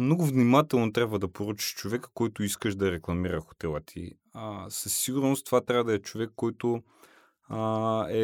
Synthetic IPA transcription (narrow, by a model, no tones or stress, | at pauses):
mnɔɡʊvnimat̪ɛlˠnot̪ɾʲabvɐd̪ɐpoɾut͡ʃi̥ʃt͡ʃovɛkə̥kɔjt̪ʊiskəʃd̪ɐɾɛklˠɐmiɾɐxo̥t̪ɛlˠət̪ʰḭ | səsːiɡʊɾnost̪ovat̪ɾʲabəd̪ɐɛt͡ʃovɛkːɔjt̪ʊ | ɛ